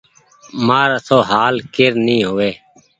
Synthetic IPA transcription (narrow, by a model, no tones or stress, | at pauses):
maːɾəsoːɦaːlkɪɾnĩːɦoːʋeː